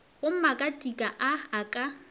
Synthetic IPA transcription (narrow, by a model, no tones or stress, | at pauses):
ɣʊm̩makʼatʼikʼaʔaːkʼa